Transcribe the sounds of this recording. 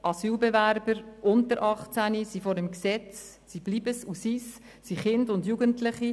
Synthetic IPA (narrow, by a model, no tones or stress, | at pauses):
ʔɑsyːlbevæɾbəɾʔʊntəɾʔɑχt͡sænisifoːɾdɛmksɛt͡s | sib̥liːbəsusis | siχɪndʊndjuːɡəntlɪχi